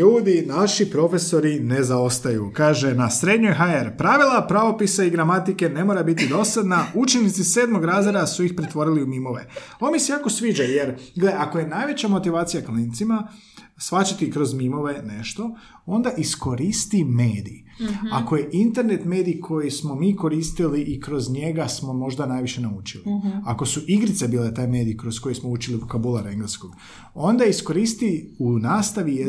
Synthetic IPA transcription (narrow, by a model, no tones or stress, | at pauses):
uːd̪inaʃipɾo̞fe̞so̞ɾine̞zao̞st̪ajṵkaːʒe̞nasɾe̞d̪ɲojɦaeɾpɾaʋilˠapɾaʋo̞pisaiɡɾamat̪ike̞ne̞moɾabit̪id̪o̞sad̪naut͡ʃenit̪sise̞ːd̪mo̞ɡɾaːzeɾasuixpɾet̪ʋo̞ɾiliumimo̞ʋe̞̰o̞nmisejaːko̞sʋiːd͡ʒaje̞ɾɡleakoje̞najʋe̞t͡ɕamo̞t̪iʋaːt̪sijaklint̪sima | sʋat͡ʃat̪ikɾo̞zmimo̞ʋe̞ne̞ʃt̪o̞ | o̞nd̪aʔisko̞ɾist̪imeːd̪ḭː | ako̞je̞ʔint̪e̞ɾne̞t̪me̞ːd̪iːkʰo̞jismo̞miːko̞ɾiːst̪iliʔikɾo̞zɲe̞ɡasmo̞mo̞ʒd̪anaːjʋiʃe̞nauːt͡ʃiliako̞suʔiɡɾit̪se̞biːlet̪aːjme̞ːd̪ijkɾosko̞jismo̞uːt͡ʃiliukabulˠaɾeŋɡlesko̞ɡ̥ | o̞nd̪aisko̞ɾist̪iunaːst̪aʋije